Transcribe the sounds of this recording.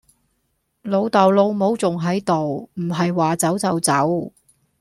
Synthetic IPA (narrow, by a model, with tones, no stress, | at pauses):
lo˨˧wt̪ɐ˨wlo˧wmo˨˥wt͡sʊ˨ŋɦɐ˨˥jt̪o˨wm̩˨˩ɦɐ˨jwaː˨t͡sɐ˨˥wt͡sɐ˨˥wt͡sɐ˨˥w